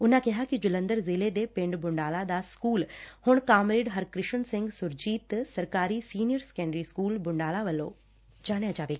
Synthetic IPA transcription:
ʊnãkɪɦakid͡ʒʊlə̃nd̪əɾzɪːled̪epɪ̃ɳɖbʊɳɖaːlad̪askuːlhʊɽ̃kaːmɾeːɖɦɐɾkɾɪʃənsɪ̃ŋɡsʊɾd͡ʒiːt̪sɐɾkaːɾisiːnijəɾskɛ̃ːɳɖɾiskuːlbʊɳɖaːlaʋɐlːo̰ | d͡ʒaːɽejãd͡ʒaːʋeːk

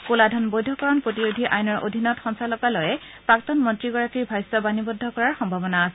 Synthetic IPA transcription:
kuladʱɔnbojdʱɔkɔɹɔnpɹotiɹodʱiʔajnɔɹo̰dʱinɔtxɔnsalɔkalɔjɛ | pɹaktɔnmɔntɹiɡɔɹakiɹbʱajsɔbanibɔdʱːɔkɔɹaɹxɔmbʱabɔnaːsɛ

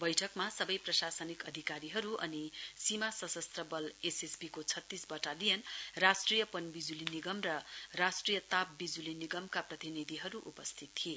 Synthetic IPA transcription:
bʌjʈʰʌkmasʌbʌjprʌsasʌnikʌd̪ʱikaɾiɦʌɾuʔʌ̰nisimasʌsʌst̪rʌbʌlesesbikot͡sʰʌt̪ːisbʌʈalijʌnrasʈrijʌpʌnbid͡zuliniɡʌmrʌrasʈrijʌt̪ap̚bid͡zuliniɡʌmkaprʌt̪inid̪ʱiɦʌɾuʔṵpʌst̪ʰit̪ːʰie

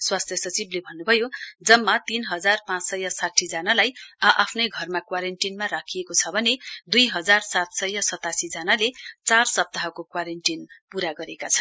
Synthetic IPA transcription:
swast̪ʰjʌsʌt͡siblebʱʌnːubʱʌjod͡zʌmːat̪inɦʌd͡zarpãt͡ssʌjʌsaʈʰːid͡zanalajʌʔapʰnʌjɡʱʌrmakwaɾeɳʈinmaɾakʰiekot͡sʰʌbʱʌned̪ujɦʌd͡zarsat̪sʌjːʌsʌt̪asid͡zanalet͡sarsʌp̚t̪aɦʌkokwaɾenʈinpuɾaɡʌɾekat͡sʰʌn

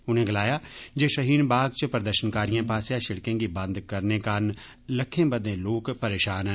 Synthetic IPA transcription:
ʊnɦẽɡɐlaːjad͡ʒeːʃɐɦiːnbaːɡ̚t͡ʃpɾəd̪əɾʃənkaːɾijãpaːsjaʃɪɽkẽkibɐ̃nd̪kɐɾnekaːn | lɐkʰːẽbɐd̪ẽloːkpɐɾeːʃaːnɦɛ

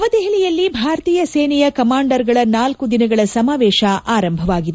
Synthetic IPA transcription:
ɐʋɐd̪ɛɦɐlijɐlːibʱaːɾɐt̪iːjɐseːnɛjɐkɐmaːɳɖɐɾɡɐɭɐnaːlkud̪inɐɡɐɭɐsɐmaːʋɛːʃɐʔaːɾɐmbʱɐʋaːɡid̪e

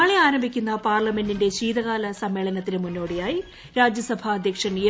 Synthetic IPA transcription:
aːɭeaːɾɐmbʱikʲːunːɐpaːrlɐme̞ndinde̞ɕiːðɐɣaːlɐsɐmːe̞ːɭɐnɐt̪ːinemunːo̞ːɽejaːji | ɾaːd͡ʑjɐsɐbʱɐɐd̪ʱjɐkʂɐnijɐ

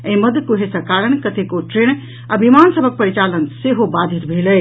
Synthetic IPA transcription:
ẽiməd̪kuɦesə̃kaɾəɳ̃kət̪ʰekoʈɾeɳ | abʱimansəbʱək̚pəɾit͡ʃalənseɦobad̪ʱit̪bʱeləj

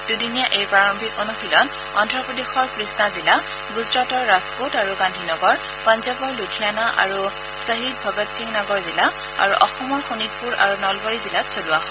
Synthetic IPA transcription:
d̥udinijaʔejpɹaɹɔmbʱikɔnuxilɔn | ɔndɹɔpɔdexɔɹpɹisnazila | ɡuzɹɔtɔɹːaskotaɹuɡandʱinɔɡɔɹ | pɔnzɔbɔɹlutʰijanaʔa̰ɹu | səɦit̚bʱɔɡɔtsiŋnɔɡɔɹzila | a̰ɹuʔɔxɔmɔɹxonit̚puɹa̰ɹunɔlbɔɹizilasʰoluaɦɔ

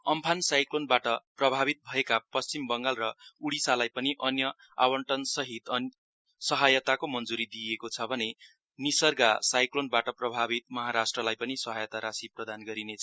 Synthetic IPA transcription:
ʌmpʰansajklonbaʈʌprʌbʱabit̪̚bʱʌekapʌst͡simbʌŋɡalrʌuɽisalajpʌniʔʌnjʌ | a̰wʌɳʈʌnsʌɦit̪ʌn | sʌɦajʌt̪akomʌnd͡zuɾid̪ijekot͡sʰʌbʱʌne | nisʌrɡasajklonbaʈʌprʌbʱabit̪mʌɦaɾasʈrʌlajpʌnisʌɦajʌt̪aɾasiprʌd̪ʱanɡʌɾinet͡sʰʌ

